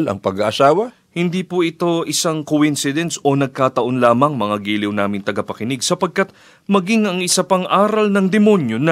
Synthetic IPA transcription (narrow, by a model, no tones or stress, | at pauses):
lɐ̰ŋpɐɡaʔɐsaːwɐ | hɪnd̪iːpuʔɪt̪o̞ʔɪsaŋkowinsɪd̪ɛnso̞nɐɡ̚kaːt̪ɐʔo̞nlaːmɐŋmɐŋaɡiːlɪwnaːmɪnt̪ɐɡɐpɐkɪnɪɡ̚sɐpɐɡ̚kat̪̚ | mɐɡiŋɐŋɪsɐpaŋʔaːɾɐlnɐŋd̪ɛmo̞njo̞nɐ